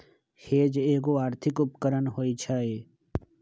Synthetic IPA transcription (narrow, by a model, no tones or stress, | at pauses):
heːd͡ʒeːk̬oaːɾt̪ʰɪkʊpkəɾənɦoːit͡ʃʰaɦeː